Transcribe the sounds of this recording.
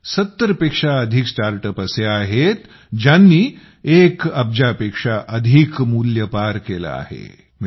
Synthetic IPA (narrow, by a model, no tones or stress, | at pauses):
sɐt̪ːəɾpeːkʂaɐd̪ʱiksʈaːɾʈəpɐseaːɦet̪ | d͡ʒanːiː | ekɐb̚d͡ʑapeːkʂaʔɐd̪ʱikmuːljəpaɾkeːla̰a̰ɦḛ | m